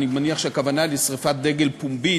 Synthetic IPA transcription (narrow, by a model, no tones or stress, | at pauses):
nimaniaχʃeakavanalesʁifat̪̚d̪e̞ɡe̞lpumbi